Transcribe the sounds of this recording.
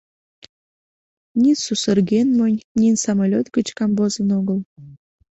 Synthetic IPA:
nʲinsusərɣenmənʲnʲinsɑmɑlʲot̪ɡət͡ɕkɑmbozənoɣəl

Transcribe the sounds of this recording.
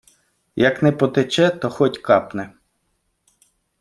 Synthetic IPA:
jɐknɛpɔt̪et͡ʃɛt̪ɔxɔtʲkɑpnɛ

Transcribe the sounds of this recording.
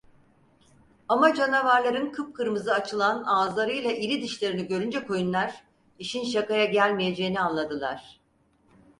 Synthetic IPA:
amad͡ʒanavaɾlˠaɾɯnkʰɯp̚kʰɯɾmɯzɯat͡ʃʰɯlˠanaːzlˠaɾɯjlˠaʔiɾid̪iʃlʲeɾiniɟø̞ɾynd͡ʒɛkʰo̞junlˠaɾ | iʃinʃakajaɟælʲmije̞d͡ʒe̞jinianlˠad̪ɯlˠa̰ɾ̥

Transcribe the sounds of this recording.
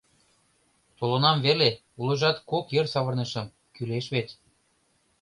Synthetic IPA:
t̪olonɑmβele | ulɤ̆ʒɑt̪kokjɤrsɑβɤ̆rnɤ̆ʃə̆m | kyleʃβetʲ

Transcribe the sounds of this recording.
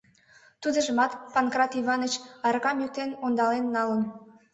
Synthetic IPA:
t̪ud̪ə̆ʒəmɑt̪pɑnkrɑt̪iβɑnət͡ɕɑrɣɑmyt̪enond̪ɑlenːɑlən

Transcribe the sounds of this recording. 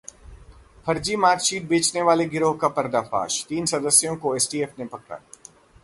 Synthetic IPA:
pʰɐɾd͡ʒimaːt̪ʃiːt̪̚beːt͡ʃneʋaːleɡɪɾoːɦkapɐɾd̪apa̰ːʃt̪iːnsɐd̪əsjõkoeːsʈiːeːfnepɐkɾa̰ː

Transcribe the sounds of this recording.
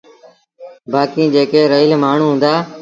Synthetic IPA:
baːkiːd͡ʒeːkeːɾəɪlmaːɳ̤ũːɦũːnd̪aː

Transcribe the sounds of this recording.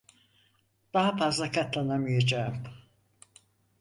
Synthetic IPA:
d̪̥aɦafazlˠakʰat̪lˠanamɯjad͡ʒaːɯm

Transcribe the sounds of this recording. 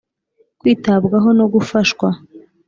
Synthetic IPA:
kwiːtabɡaɦo̞no̞ɡufaʃkwa

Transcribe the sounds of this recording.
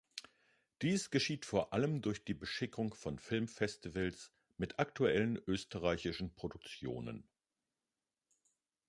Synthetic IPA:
d̥iːsɡ̥əʃiːtfoːɐʔaləmdʊɐçd̥iːbəʃɪkʰʊŋfɔnfɪlmfɛstivəls | mɪtʰaktʰuɛlənʔøːstəʁaɪçɪʃn̩pʁ̥odʊk̚t͡sjo̰ːnə̰n

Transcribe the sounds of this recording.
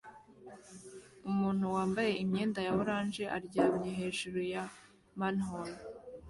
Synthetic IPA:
umuːn̥huwaːmbaje̞imɲe̞ːndajaβoɾaːnʒe̞ʔa̰ɾɟaːmɲeɦe̞ːʒuɾuja | manhol

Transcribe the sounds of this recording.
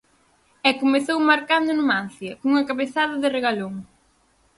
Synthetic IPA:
ɛkomeθowmaɾkand̪ʊnuman̟θjɐkoŋuŋɐkaβeθaðɐðɪreɣaloŋ

